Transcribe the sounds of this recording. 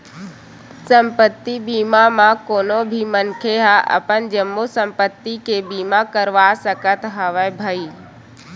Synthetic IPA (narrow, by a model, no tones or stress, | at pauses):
sə̃mpət̪ːibiːmamãkoːnobʱimənkʰeɦaʔə̰pənd͡ʒəmːusə̃mpət̪ːikebiːmakəɾʋasəkət̪ɦəʋəbʱəiː